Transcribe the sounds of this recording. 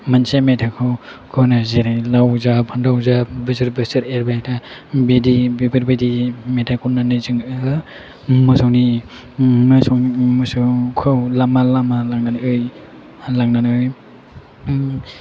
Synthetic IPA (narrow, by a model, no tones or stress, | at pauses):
mansemetʰakʰɯwkʰonazeɾalawzapʰandawzabɯsɯɾbɯsɯɾeɾbajtʰabedibibɯɾbedimetʰakʰunanɯzɯŋ | mɯsowni | mɯsɔwimɯsɯkʰɯwlamalamalaŋnanɯj | laŋnanɯj